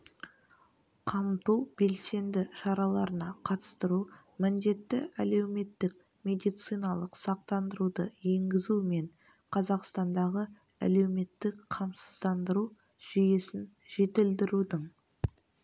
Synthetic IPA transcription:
qʰɑmt̪uwbe̞lse̞nd̪ɪʃɑɾɑlˠɑɾənɑqʰɑt̪ə̥st̪əɾu | mɪnd̪e̞t̪ːɪ̰æle̞wme̞t̪ːɪk̚ | mʲe̞d̪ijt̪sɨjnɑlˠəqsɑq̚t̪ɑnd̪əɾud̪əje̞ŋɡʲɪzume̞ɴ | qʰɑzɑqst̪ɑnd̪ɑʁə | æ̰le̞wme̞t̪ːɪkqʰɑmsəzd̪ɑnd̪əɾu | ʒ̥ʏje̞sɪn | ʒe̞t̪ɪld̪ɪɾud̪əɴ

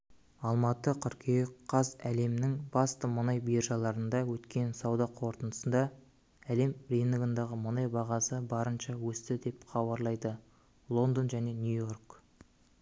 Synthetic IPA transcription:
ɑlˠmɑt̪əqʰʏɾkʲʰejqʰːɑzæle̞mnɪŋbɑst̪əmənɑjbijɾʒɑlˠɑɾənd̪ɑwɵt̪kʲe̞nsɑwd̪ɑqʰo̞ɾt̪ənd̪ə̥sənd̪ɑ | æle̞mɾinɡənd̪ɑʁəmənɑjbɑʁɑsəbɑɾənʃɑwɵst̪ɪd̪e̞pχɑβɑɾlˠɑjd̪ə | lˠo̞nd̪onʒæne̞nʲjujo̞rk

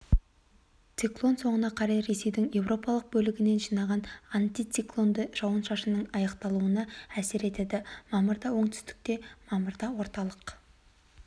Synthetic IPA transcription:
t̪siklˠo̞nso̞ɴənɑqʰɑɾɑjɾe̞se̞jd̪ɪŋje̞wɾo̞pɑlˠəq̚bɵlɪɡʲɪne̞nʒijnɑʁɑnant̪it̪siklˠo̞nd̪əʒ̥ɑwənʃɑʃənəɴɑjɑqt̪ɑlˠuənɑæseɾe̞t̪e̞d̪ɪmɑməɾd̪ɑwo̞ɴt̪ʰʏ̥st̪ɪ̥k̚t̪e̞mɑməɾd̪ɑwo̞ɾt̪ɑlˠəq

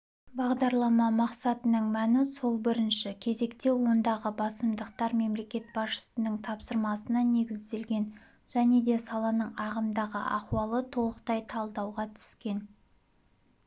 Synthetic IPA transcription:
bɑʁd̪ɑɾlˠɑmɑmɑqsɑt̪ənəɴmænɪso̞lˠbɪɾɪnʃɪkʲʰe̞ze̞kt̪e̞wo̞nd̪ɑʁəbɑsəmd̪əqt̪ɑɾme̞mle̞kʲe̞t̪̚bɑsʃə̥sənəɴt̪ʰɑpsəɾmɑsənɑne̞ɡʲɪzd̪e̞lɡʲe̞n | ʒ̥æne̞d̪e̞sɑlˠɑnəɴɑʁəmd̪ɑʁə̰ʔɑqwɑlˠət̪ʰo̞lˠəqt̪ɑjt̪ʰɑlˠd̪ɑwʁɑt̪ʰʏ̥skʲe̞n

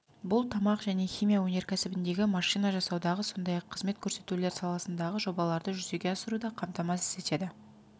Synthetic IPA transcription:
bʊlˠt̪ʰɑmɑqʒæne̞χʲijmʲijawɵne̞ɾkʲʰæsɪbɪnd̪e̞ɡʲɪmɑʃijnɑʒɑsɑwd̪ɑʁəso̞nd̪ɑjɑqʰːəzme̞t̪̚kʲʰɵɾse̞t̪ule̞ɾsɑlˠɑsənd̪ɑʁəʒo̞bɑlˠɑɾd̪əʒʏze̞ɡʲe̞ɑsəɾud̪ɑqʰɑmt̪ɑmɑsɪ̥ze̞t̪e̞d̪ɪ

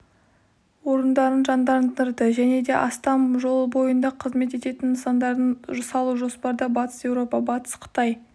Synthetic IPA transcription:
wo̞ɾənd̪ɑɾənʒɑnd̪ɑɾənəɾd̪əʒæne̞d̪e̞ʔɑst̪ɑmʒo̞lˠbo̞jənd̪ɑqʰəzme̞t̪e̞t̪e̞t̪ɪnːəsɑnd̪ɑɾənʒʊsɑlˠuʒo̞spɑɾd̪ɑbɑt̪ə̥sjewɾo̞pɑbɑt̪ə̥sqʰə̥t̪ɑj

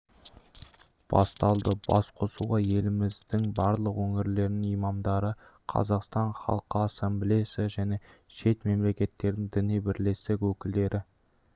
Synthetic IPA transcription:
b̥ɑ̰st̪ɑlˠd̪əbɑ̰sqʰo̞suʁɑje̞lɪmɪzd̪ɪŋbɑɾlˠəqwɵŋɪɾle̞ɾɪnɪŋijmɑmd̪ɑɾəqʰɑ̰zɑqst̪ɑɴχɑ̰lˠqəasemblesɪʒæne̞ʃe̞t̪me̞mle̞kʲe̞t̪ːe̞ɾd̪ɪŋd̪ɪnijbɪɾle̞st̪ɪkwɵkʲɪld̪e̞ɾʔɪ

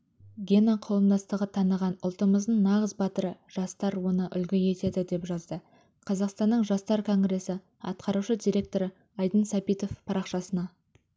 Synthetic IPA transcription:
ɡʲenaqʰɑwəmd̪ɑst̪əʁət̪ʰɑnəʁɑnʊ̰lˠt̪əməzd̪əɴnɑʁəzbɑt̪əɾəʒ̥ɑst̪ɑɾwo̞nəʔʏlɡʲɪje̞t̪e̞d̪ɪd̪e̞pʒɑzd̪ə | qʰɑzɑqst̪ɑnːəɴʒɑst̪ɑɾkʰo̞ŋɡɾe̞sɪ | ɑ̰t̪qʰɑɾuʃəd̪ijɾʲe̞k̚t̪o̞ɾə | ɑjd̪ənsɑpijt̪o̞fpʰɑɾɑqʃɑsənɑ

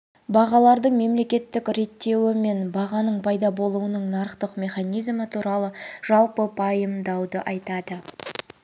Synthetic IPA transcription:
bɑʁɑlˠɑɾd̪əɴme̞mle̞kʲe̞t̪ːɪkʲɾe̞t̪ːe̞wɪme̞nbɑʁɑnəɴpʰɑjd̪ɑbo̞lˠuənəɴnɑɾəqt̪əqmʲe̞χanijzmət̪ʰuɾɑlˠəʒ̥ɑlˠpəpʰɑjəmd̪ɑwd̪əʔɑjt̪ɑd̪ə

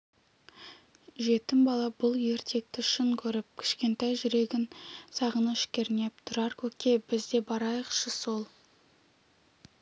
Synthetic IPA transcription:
ʒe̞t̪ɪmbɑlˠɑbʊlˠje̞ɾt̪ʰe̞k̚t̪ɪʃʏŋkʲʰɵɾɪp̚kʲʰɪ̥ʃkʲe̞nt̪ɑjʒʏɾe̞ɡʲɪnsɑʁənəʏʃkʲe̞ɾne̞p̚t̪ʰʊɾɑɾkʲʰɵkʲe̞bɪzd̪e̞bɑɾɑjəqʃəso̞lˠ

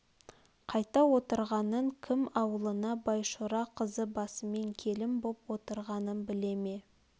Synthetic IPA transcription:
qʰɑjt̪ɑwo̞t̪əɾʁɑnəɴkʲʰɪmɑwəlˠənɑbɑjʃuɾɑqʰəzəbɑsəme̞ŋkʲʰe̞lɪmbopwo̞t̪əɾʁɑnənbɪle̞me̞

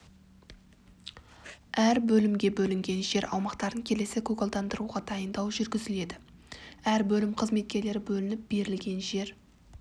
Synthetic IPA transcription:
æɾbɵlɪmɡʲe̞bɵlɪŋɡʲe̞nʒe̞ɾɑ̰wmɑqt̪ɑɾəŋkʲʰe̞le̞sɪkʲʰɵkolˠd̪ɑnd̪əɾuʁɑd̪ɑjənd̪ɑwʒʏɾɡʲɪzɪle̞d̪ɪæɾbɵlɪmqʰəzme̞t̪̚kʲe̞ɾle̞ɾɪbɵlɪnɪp̚b̥e̞ɾɪlɡʲe̞nʒe̞ɾ

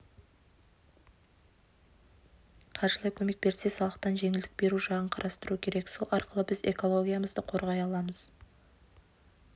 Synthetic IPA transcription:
qʰɑɾʃəlˠɑjkʲʰɵme̞k̚be̞ɾse̞sɑlˠəqt̪ɑnʒe̞ŋɪld̪ɪk̚be̞ɾuʃɑʁəɴqʰɑɾʔɑst̪əɾukʲʰe̞ɾe̞ksolˠɑɾqəlˠəbɪze̞̰ko̞lˠo̞ɡʲijaməzd̪əqʰo̞ɾʁɑjɑlˠɑməz̥

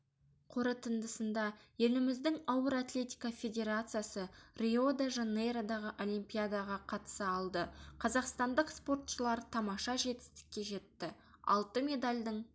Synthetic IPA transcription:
qʰoɾət̪ʰənd̪əsənd̪ɑje̞lɪmɪzd̪ɪŋɑwəɾat̪lʲe̞t̪ʲijkafʲe̞d̪ʲe̞ɾat̪sɨjasərʲio̞d̪aʒanejɾad̪ɑʁəʔo̞lʲijmpʲijad̪ɑʁɑqʰɑt̪ə̥səɑlˠd̪əqʰɑzɑqst̪ɑnd̪əqspo̞rt̪ʃəlˠɑɾt̪ʰɑmɑʃɑʒe̞t̪ɪ̥st̪ɪ̥kʲːe̞ʒe̞t̪ːɪ | ɑ̰lˠt̪əmʲe̞d̪alʲd̪əɴ

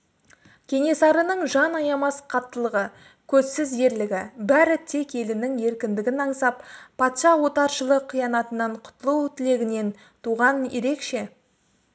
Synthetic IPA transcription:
kʲʰe̞ŋe̞sɑɾənəɴʒɑnɑjɑmɑsqʰɑt̪ːəlˠəʁə | kʲʰɵzsɪzje̞ɾlɪɡʲɪbæɾɪt̪ʰe̞ke̞lɪnɪŋje̞ɾkʲɪnd̪ɪɡʲɪnɑɴsɑp̚pʰɑt̪ʃɑwo̞t̪ɑɾʃəlˠəqʰːijɑnɑt̪ənɑɴqʰʊ̥t̪əlˠəwt̪ʰɪle̞ɡʲɪne̞n | t̪ʰuʁɑnjeɾe̞kʃe̞

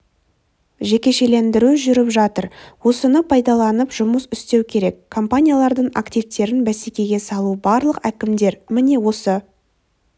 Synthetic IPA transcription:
ʒe̞kʲe̞ʃe̞le̞nd̪ɪɾuʒʏɾɪpʒɑt̪əɾwo̞sənəpʰɑjd̪ɑlˠɑnəpʒʊməsʏst̪e̞wkʲʰe̞ɾe̞kːʰo̞mpanʲijalˠɑɾd̪əɴa̰kt̪ivt̪e̞ɾɪnbæsekʲe̞ɡʲe̞sɑlˠubɑɾlˠəqækʲɪmd̪e̞ɾmɪne̞wo̞sə

